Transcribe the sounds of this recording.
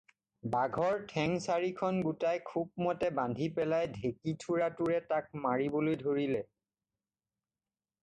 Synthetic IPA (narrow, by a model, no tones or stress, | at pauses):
baɡʱɔɹtʰɛŋsaɹikʰɔnɡutajkʰub̚mɔtɛbandʱipɛlajdʱekitʰuɹatuɹɛtak̚maɹibolojdʱoɹilɛ